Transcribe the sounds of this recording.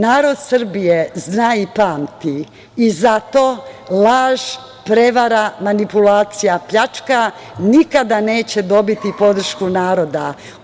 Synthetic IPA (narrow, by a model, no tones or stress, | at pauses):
naːɾo̞d̪sr̩bijeznaːipaːmt̪iː | zat̪o̞ːlˠaːʒ | pɾe̞ʋaɾamanipulaːt̪sijapʎat͡ʃka | nikad̪ane̞ːt͡ɕe̞d̪o̞bit̪ipo̞d̪r̩ʃkunaːɾo̞d̪a